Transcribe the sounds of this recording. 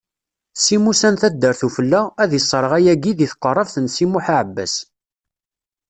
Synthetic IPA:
simusænθæd̪ːəɾθufəlːææðisˤːɾˤəʁæjæɡiðiθqːərˤːəvθənsimuħaʕəbːæ̰s

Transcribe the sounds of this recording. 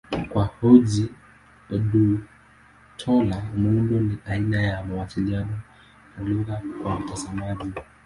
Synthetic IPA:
kwahɔʄi | ɔɗu | tʰɔlamuundɔniʔainajamawasilianɔ | naluɣakwamutasamaʄi

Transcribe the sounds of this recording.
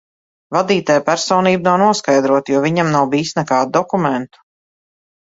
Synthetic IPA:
vad̪iːt̪ajpæɾsɔːniːbnawnuɔskajd̪ɾuɔt̪juɔvʲiɲamnawbiːsnɛkaːd̪ud̪ɔkumɛnt̪u̥

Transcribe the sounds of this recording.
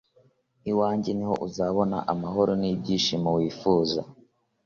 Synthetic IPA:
iwaːɲɟeniho̞̰ʔuzaːβo̞na̰ʔamaɦo̞ɾo̞nibɟiʃimowiːfuːza̰

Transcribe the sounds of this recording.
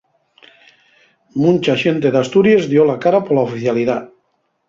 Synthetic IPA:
munt͡ʃaʃent̪eðast̪uɾjezðjolakaɾapolaofiθjaliða

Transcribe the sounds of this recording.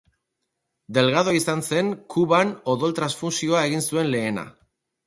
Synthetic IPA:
d̪e̞lɣaðo̞isanse̞ŋkuβano̞ðo̞lt̪ɾasfunsio̞ae̞ɣ̞insue̞nle̞ːna̰

